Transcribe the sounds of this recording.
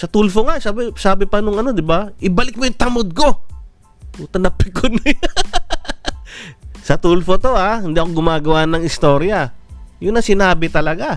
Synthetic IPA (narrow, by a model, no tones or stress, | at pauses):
sɐt̪ulfoŋasaːbɪsaːbɪpɐnʊŋɐno̞d̪ɪbaʔɪbɐlɪk̚mojʊt̪ɐmod̪̚ko̞ | t̪uːt̪ɐnɐpɪkonj | sɐt̪ulfot̪o̞ahɪnd̪iɐkoɡʊmaːɡɐwanɐŋɪst̪o̞ːɾjɐjʊnnɐsɪnaːbɪt̪ɐlɐɡa